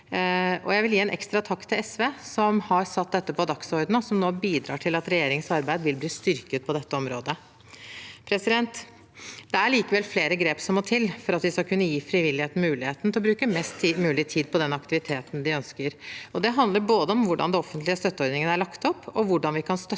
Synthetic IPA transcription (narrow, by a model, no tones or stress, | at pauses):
ʔɔ̰jæɪʋɪljiːɛnʔɛ̰kst̪ɾɑt̪ʰɑkːt̪ʰɪlɛsʋeːsɔmhɑɾsɑt̪̚d̪ɛt̪ːəpʰɔd̪ɑksɔɾd̪n̩ɔsɔmnoːbiːd̪ɾɑ̰ːʈʰɪlɑt̪ɾɛjeːɾɪŋəsɑɾbæɪd̪ʋɪlbliːst̪ʏɾkət̪̚pʰɔd̪ɛt̪ːəɔmɾoːd̪ə | pʰɾɛsɪd̪ɛnt̪ | d̪ɛæɭiːkəʋɛlfleːɾəɡɾeːpsɔmːɔt̪ʰɪlfɔɾɑt̪ʋɪskɑkʰʉnːəjiːfɾɪʋɪlːɪheːt̪n̩mʉːlɪheːt̪nt̪ɪɔbɾʉːkəmɛst̪ːmʉːlɪt̪ʰiːd̪̚pʰɔd̪ɛnɑkt̪ɪʋɪt̪ʰeːt̪n̩d̪ɪœnskəɾɔd̪ɛɦɑnd̪ləɾboːd̪əɔmʋʊɖɑ̰nd̪ɛnɔfənt̪lɪəst̪œt̪ːəɔɾd̪nɪŋənæɭɑkt̪ɔpːɔʋʊɖɑnʋɪkʰɑnst̪œ